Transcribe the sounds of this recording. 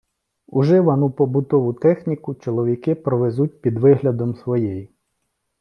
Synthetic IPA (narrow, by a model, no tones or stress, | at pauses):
uʒɪʋɐnupɔbʊt̪ɔʋʊt̪ɛxnʲikʊt͡ʃɔlˠɔʋʲikɪpɾɔʋezut̚ʲpʲid̪ʋɪɦlʲɐd̪ɔmsʋɔjɛj